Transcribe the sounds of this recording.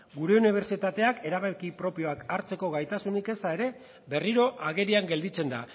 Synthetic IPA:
ɡuɾe̞uniβ̞e̞ɾsit̪at̪e̞ake̞ɾaβakipɾo̞pio̞akaɾt͡se̞ko̞ɣajt̪asunike̞sae̞ɾe̞ | be̞riɾo̞ʔaɣe̞ɾiaŋɡe̞ld̪it͡se̞nd̪a

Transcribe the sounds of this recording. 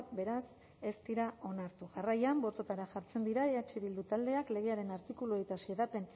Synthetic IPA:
t̪be̞ɾas | e̞st̪iɾao̞naɾt̪uʝarajambo̞t̪o̞t̪aɾaʝaɾt͡se̞nd̪iɾaeat͡ʃiðild̪ut̪ald̪e̞akle̞ɣe̞aɾe̞naɾt̪ikuluejt̪asieðape̞n

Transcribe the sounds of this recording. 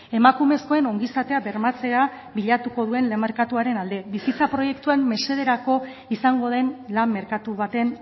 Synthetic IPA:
e̞makume̞sko̞e̞no̞ŋɡisat̪e̞aβe̞ɾmat͡se̞a | βiʎat̪uko̞ð̞ue̞nle̞maɾkat̪uaɾe̞nald̪e̞βisit͡sapɾo̞je̞kt̪uanːe̞se̞ðe̞ɾako̞ | isaŋɡo̞ðe̞nlamːe̞ɾkat̪uβat̪e̞n

